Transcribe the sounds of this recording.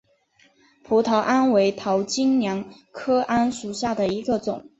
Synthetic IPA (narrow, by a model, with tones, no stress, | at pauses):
pʰu˧˥t̪ʰɑ˧˥ʊʔa˥nwe˧˥ɪt̪ʰɑ˧˥ʊt͡ɕi˥ŋnjɑ˧˥ŋ | kʰɤ˥ʔa˥nʂu˨˩ɕja˥˩d̪ə˩i˧˥ɡə˧t͡sʊ˨˩˦